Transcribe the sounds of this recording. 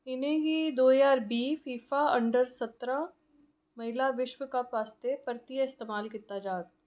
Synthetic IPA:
ɪnẽɡid̪oːjaːɾbiːfiːfaɐ̃ɳɖəɾsɐt̪ɾã | mɐɦɪlaʋɪʃʋəkapaːst̪epɐɾt̪ijəɪst̪eːmaːlkɪt̪ːad͡ʒaːt̪̚

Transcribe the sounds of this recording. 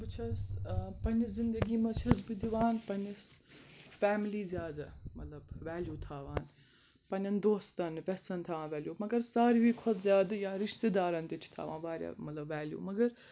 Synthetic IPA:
bɨt͡ʃʰɐspɐniszind̪ɐɡiːmɐt͡ʃʰɐsbɨd̪iʋaːnpɐnisfɛːmiliːzjaːd̪ɨmɐt̪lɐbʋæːljuːt̪ʰaːʋaːn | pɐnʲɐnd̪oːst̪ɐnʋʲɛsɐnt̪ʰɐːʋãːnʋʲæːljuːmɐɡɐɾsaːɾiʋiːkʰɔt̪zjaːd̪ɨjaːɾiʃt̪ed̪aːɾɐnt̪itʰt̪ʰa̰ːʋa̰ːnʋaːɾʲja̰ːmɐt̪lɐbʋæːljṵːmɐɡɐɾ

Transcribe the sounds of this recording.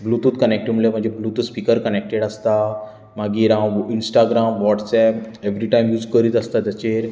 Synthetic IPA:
blut̪uːt̪kənek̚ʈumlem̤əɳd͡ʑeblut̪uspikəɾkənek̚ʈeɽəst̪a | maɡiɾãwinsʈaɡɾamʋɔʈsɛpeʋɾiʈaimjuːd͡zkəɾiːt̪əst̪ad̪ət͡ɕeɾ

